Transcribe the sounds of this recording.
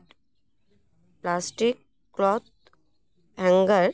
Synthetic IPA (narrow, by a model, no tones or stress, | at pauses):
ʈ | plasʈikː | lɔt̪̚ | ɛ̃ŋɡəɾ